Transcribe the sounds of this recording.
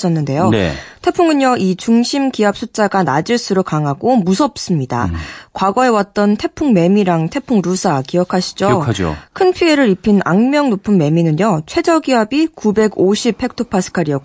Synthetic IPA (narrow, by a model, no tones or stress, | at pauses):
ʌnːɯnde̞jo̰tʰe̞pʰuŋɯɲjʌʔit͡ɕuŋɕʰimkiɦap̚s͈ʰut͡ɕ͈aɡanad͡ʑɯɭs͈ɯɾokaŋɦaɡomusʰʌp̚s͈ɯmɲida̰kwaɡʌe̞wat̚t͈ʌntʰe̞pʰuŋme̞miɾaŋtʰe̞pʰuŋɾusʰakijʌkʰaɕʰi̥d͡ʑod͡ʑo̰kʰɯnpʰie̞ɾɯɾipʰina̰ŋmjʌŋnopʰɯnme̞minɯɲjʌt͡ɕʰwe̞d͡ʑʌɡiɦabikube̞ɡoɕʰip̚he̞k̚tʰopʰas͈ʰɯ̥kʰaɾiʌk